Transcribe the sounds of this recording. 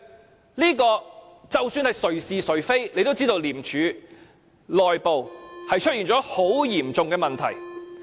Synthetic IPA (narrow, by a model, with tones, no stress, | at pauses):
liː˥kɔː˧ | t͡sɐ˨wsyː˧nhɐ˨jsɵ˨˩ɥsiː˨sɵ˨˥ɥfe˥jle˨˧jt̪o˥wt͡siː˥t̪o˧wliː˨˩mt͡ʃʰyː˨˧ | lɔː˨jpo˨whɐ˨jt͡ʃʰɵ˥iː˨nt͡ʃɔː˨˥ho˨˥wjiː˨˩mt͡sʊ˨ŋkɛː˧mɐ˨nt̪ʰɐ̰˨˩j